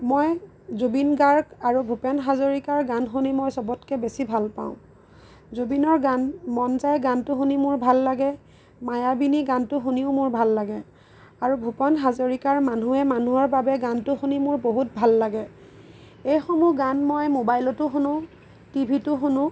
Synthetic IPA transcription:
moj | zobinɡaɹɡaɹubʱupɔnɦazoɹikaɹɡanxunimojsɔbɔtkɛbesibʱalpa̰ʊ̃ | zobinɔɹɡanmɔnzajɡantʊxunimʊɹbʱalːaɡɛ | majabiniɡantʊxuniʊmʊɹbʱalːaɡɛ | aɹubʱupɔnɦazoɹikaɹmanuɛmanuɔɹbabɛɡantʊxunimʊɹboɦut̚bʱalːaɡɛ | ejxɔmuɡanmojmobajlɔtʊxunʊ̃ | tibʱitʊxunʊ̃

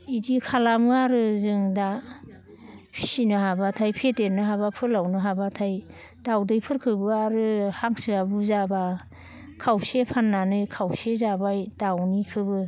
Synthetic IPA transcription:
idikʰalamɯaɾɯzɯŋda | pʰi̥sinɯhabatʰajpʰeteɾnɯɦabapʰɯlawnɯɦabatʰaj | dawdɯjpʰɯɾkʰɯbɯaɾɯhaŋsɯabuzaba | kʰawsepʰanːanɯjkʰawsezabajdawnikʰɯbɯ

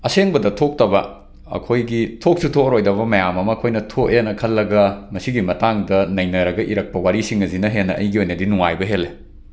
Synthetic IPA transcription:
ɐseŋbɐdɐtʰok̚tɐbɐ | ɐ̰kʰojɡitʰok̚sutʰoɾojdɐβɐmɐjamɐmɐːkʰojnɐtʰoenɐkʰɐlːɐɡɐmɐsiɡimɐtaŋdɐnɐjnɐɾɐɡɐʔiɾɐk̚pɐwaɾisiŋɐzinɐɦenːɐʔɐ̰jɡiojnɐdinuŋajbɐɦelːe

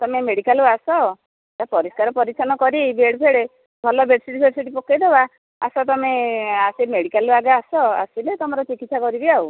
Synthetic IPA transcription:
t̪ɔmemeɽikaluasɔ | t̪apɔɾiskaɾɔpɔɾisʰanɔkɔɾibeɽpʰeɽe | bʱɔlɔbeʈsiʈipʰeɾsiʈipɔked̪eba | asɔt̪ɔmeasemeɽikaluaɡaːsɔa̰silet̪ɔmɔɾɔt͡ʃikit̪sakɔɾibiau

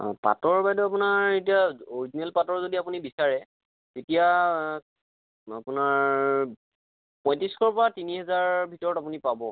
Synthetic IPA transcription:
pa̰tɔɹbajdɔap̬unaɹetijaoɹizinɛlpatɔɹzodiapunibisaɹɛ | tetija | a̰pʊnaɹ | pɔ̃j̃tiskʰɔɹpɔɹatiniɦɛzaɹbʱitɔɹɔtapunipabɔ

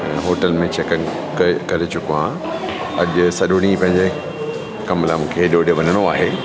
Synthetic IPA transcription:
ɦoːʈəlmẽt͡ɕʰekə | kkɐɾet͡ɕʊkoãː | ɐʄʊsɐɗʊɽ̃ipɐ̃ɦɪ̃ɲd͡ʑe | kɐmlamũːkʰeɗoːɗeʋɐnəɽ̃oaːɦeː

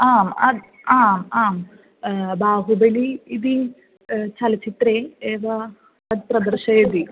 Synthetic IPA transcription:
aːmɐ̰d̪ | aːmaːm | baːɦubɐliːd̪i | t͡ʃɐlɐt͡ʃit̪ɾeːeːʋɐ | ɐd̪̚pɾɐd̪ɐɾʃɐjɐd̪i

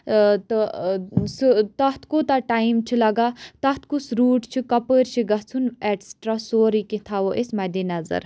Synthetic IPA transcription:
t̪ | sɨt̪ɐɦt̪ʰkot̪aʈaːjimt͡ʃʰilɐɡat̪ɐɦt̪ʰkusɾuːʈt͡ʃʰikɐpəːɾt͡ʃʰiɡɐɦt͡sʰuneɖsʈɾasoːɾikĩt̪ʰaʋoʔesmɐd̪inɐzɐ̰ɾ

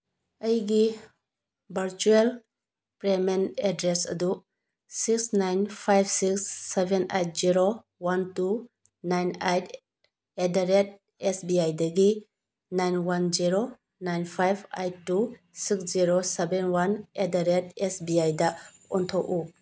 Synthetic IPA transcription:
əjɡi | bʱɐɾt͡ʃuel | pɾemenedɾesɐ̰du | siksnajnpʰajbʰsiksːebʱenejt̚ziɾo | wantu | najnajtʰ | edaɾet̚ | esbiajdɐɡi | najnwand͡ʒiɾo | najnpʰajbʰa̰jtːu | siksziɾosebenwanedaɾetesbiajdɐɔntʰowʔu

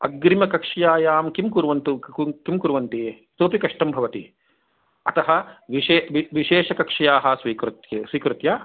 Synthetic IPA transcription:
ɐ̰ɡɾimɐkɐkʂɐjaːjaːmkimkuɾuʋɐnt̪ukkimkuɾuʋɐnt̪iː | t̪oːpikɐʂʈɐmbʱɐʋɐt̪i | ɐ̰t̪ɐɦɐ̆ʋieːʋiʋiʃeːʂɐkɐkʂɐjaːɦɐ̆sʋiːkɾut̪jɐsʋiːkɾut̪ja

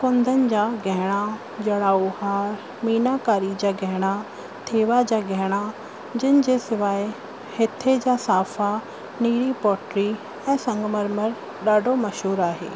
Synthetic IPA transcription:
kʊ̃nd̪ʱənɪ̆d͡ʑaːɡʱɛɦɪɽ̃a | d͡ʑɐɽ̃aːuhaːɾ | miːnakaːɾid͡ʑaːɡʱɛɦɪɽ̃a | t̪ʰeːʋad͡ʑaːɡʱɛɦɪɽ̃a | d͡ʑɪnɪ̆d͡ʑeːsɪʋaːe | hɪt̪ʰed͡ʑaːsaːfa | niːɾipɔːʈɾi | ɛ̃ːsɐ̃ŋɡmɐɾməɾ | ɗaːɖʱomɐʃɦuːɾaːɦḛː

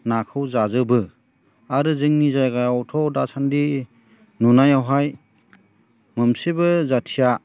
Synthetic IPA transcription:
nakʰɯwzazɯbɯ | aɾɯzɯŋnizajɡajawtʰɔwdasandi | nunajawɦaj | mɯmsebɯzatʰija

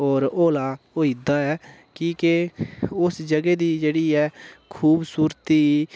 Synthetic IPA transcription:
ɔːɾoːlaː | oːid̪aːɛː | kiːkeʊsd͡ʒəɡeːd̪iːd͡ʒeːɽiːɛːkʰuːbsuːɾt̪iː

